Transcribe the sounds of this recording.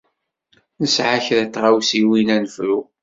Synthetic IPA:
nəsʕaçɾæt̪ːʁawsiwinænəfɾu

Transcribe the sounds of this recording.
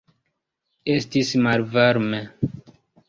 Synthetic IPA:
estismalvaɾme

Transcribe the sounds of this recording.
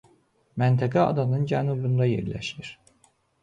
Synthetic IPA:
mænt̪ʰæɡæɑ̰d̪ɑnɯnd͡ʒænubund̪ɑjḛɾlæ̰ʃiɾ̥

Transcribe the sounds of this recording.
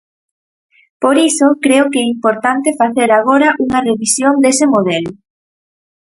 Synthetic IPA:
poɾisʊkɾeʊkɛimpoɾt̪ant̪ɪfaθeɾaɣ̞oɾɐʔuŋɐreβisjond̪esɪmoðɛlʊ

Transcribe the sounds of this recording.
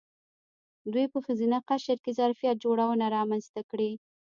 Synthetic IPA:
d̪wujpəxəzinaqaʃəɾkezaɾfijat̪̚d͡ʒoɽawənaɾɑmanzt̪akɽi

